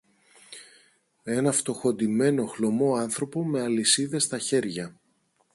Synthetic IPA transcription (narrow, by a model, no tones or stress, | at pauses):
e̞nɐft̪o̞xo̞nd̪ime̞no̞xlo̞mo̞ɐnθɾo̞po̞me̞ɐlisiðe̞st̪ɐçe̞ɾʝɐ